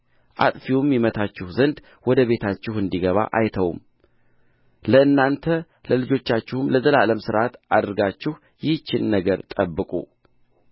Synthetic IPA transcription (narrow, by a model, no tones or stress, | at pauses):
ʔa̰t̪ʼfiwumjɛmət̪ʰat͡ʃːɪhzənd̪ | wɔd̪əβe̞t̪ʰat͡ʃːɪhɨnd̪iɡəβa̰ʔajt̪ʰəwm | ləɨnːant̪ʰə | ləlɨd͡ʒo̞t͡ʃːat͡ʃːɪhumləzəlaləmsɨɾʔat̪ad̪əɾɡat͡ʃːɪh | jɪht͡ʃːɪnnəɡəɾt̪ʼəbːɨkʼṵ